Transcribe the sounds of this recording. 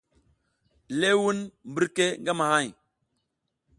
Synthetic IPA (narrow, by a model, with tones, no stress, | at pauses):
le˦wu˦nmbə˦ɾke˦ŋɡa˦ma˨ha˦˨j